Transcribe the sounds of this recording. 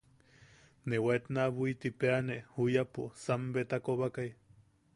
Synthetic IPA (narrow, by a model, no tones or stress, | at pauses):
newaet̪naβuit̪ipeaneʔhujaposambet̪akoβakaj